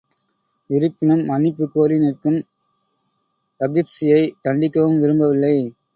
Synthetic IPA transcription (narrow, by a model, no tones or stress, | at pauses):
ɪɾɯpːɪnɐmːɐnɪpːɯkːoːɾinɪrkɯm | t̪ɐɡɪpsɪjɐɪt̪ɐɳɖɪkːɐʋɯmʋɪɾɯmbɐʋɪlːɐɪ